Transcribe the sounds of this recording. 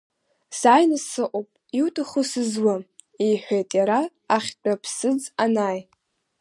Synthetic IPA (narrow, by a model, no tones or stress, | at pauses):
saːjnɨsɨʔʷʼopʼiwtʰʼɨχʊsɨzwa | ijħʷᶣejtʼjaɾaː | χʲt͡pʼapʰsɨd͡zanaːj